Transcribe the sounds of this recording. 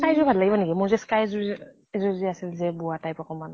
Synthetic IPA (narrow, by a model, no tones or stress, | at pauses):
kajzɔbʱad̪laibaniɡɛmɔzɛskajz | zɔziasilzɛbuatajpɔkɔman